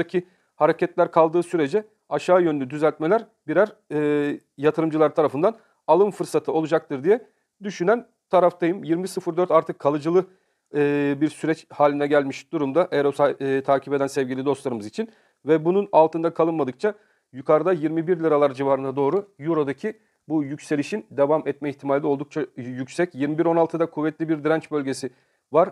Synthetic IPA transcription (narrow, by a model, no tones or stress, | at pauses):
acʰi | haɾecɛt̪lʲæɾkʰalˠd̪ɯːsyɾe̞d͡ʒɛ | aʃaːjønynyd̪yzælʲt̪melʲæɾ | biɾæɾː | jat̪ʰɯɾɯmd͡ʒɯlˠaɾt̪ʰaɾafɯnd̪an | alˠɯmfɯɾsat̪ʰɯo̞lˠud͡ʒak̚t̪ʰɯɾd̪ijɛ | d̪yʃynæn | t̪ʰaɾaft̪ʰajɯmjiɾmisɯfɯɾd̪øɾt̪aɾt̪ʰɯkʰːalˠɯd͡ʒɯlˠɯː | biɾsyɾɛt͡ʃhaːlʲinɛɟælʲmiʃd̪̥uɾumd̪aʔeɾo̞sat̪ʰaːcʰipe̞d̪ænsɛvɟilʲid̪o̞slˠaɾɯmɯzit͡ʃʰin | vɛbununalˠt̪ɯnd̪akʰalˠɯnmad̪ɯk̚t͡ʃʰa | jukʰaɾɯd̪ajiɾmibiɾlʲiɾalˠaɾd͡ʒivaɾɯnad̪o̞ːɾujuɾod̪acʰi | bujycʲse̞lʲiʃind̪e̞vamɛt̪̚mɛiçt̪ʰimalʲdʲio̞lˠd̪uk̚t͡ʃʰajycʲsɛcjiɾmibiɾo̞nalˠt̪ʰɯd̪akʰuvːɛt̪lʲibiɾd̪iɾɛnt͡ʃbølʲɟe̞si | vaɾ